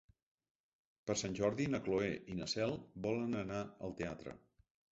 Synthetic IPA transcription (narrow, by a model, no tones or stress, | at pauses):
pəɾsanʲʒɔɾðinəkloeʔinəsɛlˠbɔlənənaə̰lˠt̪eat̪ɾə̰